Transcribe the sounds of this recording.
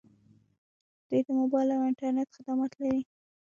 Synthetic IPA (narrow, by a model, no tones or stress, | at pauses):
d̪̥ujd̪əmobɑjlawɪɳʈaɾnet̪xɪd̪amɑt̪laɾi